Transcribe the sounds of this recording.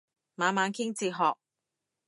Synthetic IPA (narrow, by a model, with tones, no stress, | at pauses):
maː˨˥nmaː˨˧nkʰɪ˥ŋt͡siː˧ɦɔː˨k̚